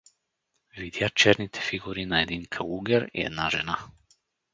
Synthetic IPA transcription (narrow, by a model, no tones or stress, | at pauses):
vid̪jat͡ʃɛɾnit̪ʰɛ̥fiɡuɾinaɛd̪inkʰauɡɛɾḭɛ̰d̪naʒɛna